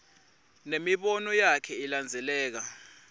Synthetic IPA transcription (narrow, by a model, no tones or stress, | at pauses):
nemiɓɔnɔjakʰɛiland͡zʱɛlɛːk̬a